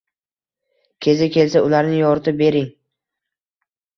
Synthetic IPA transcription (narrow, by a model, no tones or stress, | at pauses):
kʲʰe̞zɪkʲʰe̞lsaʊlaɾnɪjɒɾt̪ʰɪbe̞ɾɪŋ